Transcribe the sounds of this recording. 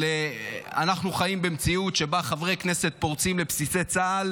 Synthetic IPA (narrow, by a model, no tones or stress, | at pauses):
ea̰naχnuχajimbemt͡siutʃe̞baχavʁekne̞set̪̚po̞ʁt͡simlepsise̞t͡saːl